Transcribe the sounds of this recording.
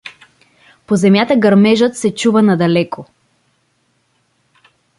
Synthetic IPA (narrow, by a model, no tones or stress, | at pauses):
pozɛmjat̪əɡɐɾmɛʒət̪sɛt͡ʃuvənɐd̪ɐlɛko